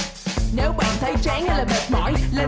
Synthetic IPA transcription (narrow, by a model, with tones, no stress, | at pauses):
ne˨˦wɓa̰ː˧˨nt̪ʰə˨˦jt͡ɕaː˧˥ŋə˧˦laː˨˩ɓə˨˩t̚mɔ̰˧˥˦jlə˧